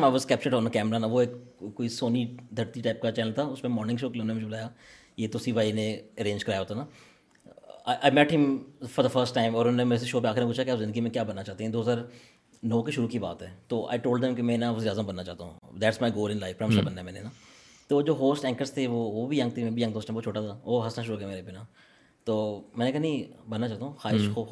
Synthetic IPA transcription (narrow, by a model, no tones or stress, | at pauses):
maɪʋɔzkɛːp̚t͡ʃəɖɔːnəkɛːmɾanaʋoeːkkːoːisoːnid̪ʰʱəɾt̪iʈaːɪp̚kat͡ʃɛːnəlt̪ʰaʊsmẽmɔːɾnɪ̃ɡʃoːkɪlːnnemʊd͡ʒʱebʊlaːja | jeːt̪osibʱaːinẽəɾẽːɲd͡ʒkɐɾaːjaɦoːt̪ʰaːna | aɪʔaɪmɛʈɦɪ̃mfɔɾd̪əfəɾsʈːãɪ̃mɔːɾʊnõːnemeːɾes̬eʃoːpeaːxɪɾmẽpuːt͡ʃʰakeaːpzɪ̃nd̪ɡimẽkjaːbɐnːat͡ʃaːɦt̪eɦɛ̃d̪oːɦəzaːɾ | nɔ̃ːkiʃʊɾukiba̰ːt̪ɦɛːt̪oːʔa̰ɪʈoːlɖd̪ɛ̃mkemɛ̃ːnaʋɐziːɾjaːzəmbɐnːat͡ʃaːt̪a̰ɦũd̪æʈsmaɪɡoːlɪ̃nlaɪfɾãɪ̃mʃobɐnːaɛmɛ̃ːnena | t̪oːd͡ʒoːɦoːsʈɛ̃ːŋkəɾst̪ʰeʋoʋobʱijɐ̃ŋɡt̪ʰemɛ̃ːbʱijɐ̃ɡt̪ʰoːsʈãot͡ʃʰoːʈat̪ʰaoːɦɐsnaʃʊɾuɡɛmeːɾebinaː | t̪oːmɛ̃ːnekɐɦnĩbɐnːat͡ʃaːɦt̪aɦũxaːɪʃo